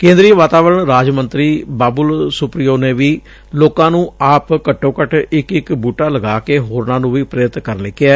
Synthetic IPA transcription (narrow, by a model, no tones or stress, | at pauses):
kẽːnd̪ɾiːʋaːt̪aːʋəɾəɳɾaːd͡ʒmənt̪ɾiːbaːbʊlsʊpɾɪjoːneːʋiː | loːkãːnũːaːpkəʈːõːkəʈɪkɪkbuːʈaːləɡaːkeːɦoːɾnãːnũːʋiːpɾeːɾɪt̪kəɾnlekːɪaː